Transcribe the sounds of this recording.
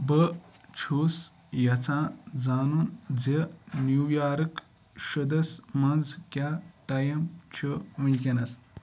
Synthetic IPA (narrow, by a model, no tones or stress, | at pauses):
bət͡ʃʰuːs | jɐt͡sʰãːd͡zaːnund͡zenjuːjaːɾɨk | ʃɨd̪ɐsmɐnd͡zkʲaʈɐjɐmt͡ʃʰuʋunʲk̬ʲɐnɐs